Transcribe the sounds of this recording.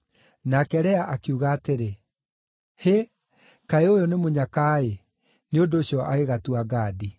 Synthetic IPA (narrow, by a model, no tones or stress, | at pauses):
nakɛɾɛaʔakiuɣaːteɾe | he | kaeojonemoɲakae | neondoːɕjɔʔaɣeɣatuaɡaːdi